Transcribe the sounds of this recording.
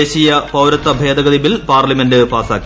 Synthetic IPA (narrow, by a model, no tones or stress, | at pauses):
eːɕijɐpɐwɾɐt̪ːɐbʱeːd̪ɐɡɐd̪ibilpaːrlimendɨpaːsaːkːi